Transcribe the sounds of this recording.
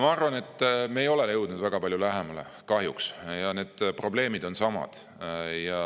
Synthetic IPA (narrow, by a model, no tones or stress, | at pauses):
mɑɑrvɑne̞t̪ːmeːjo̞lelewd̪nud̪væɡ̥ɑpɑlʲjulæɦemɑlḛ | kɑɦjuksjɑne̞ːd̪̥pro̞ble̞ːmid̪̥o̞nsɑmɑ̰d̪̥ | jɑ